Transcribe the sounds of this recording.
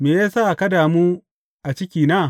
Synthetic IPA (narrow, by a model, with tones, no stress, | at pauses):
meː˨jaː˦saː˦˨kɐ˦daː˨muː˦ | ʔa˨t͡ʃɪ˦kʲiː˨naː˦˨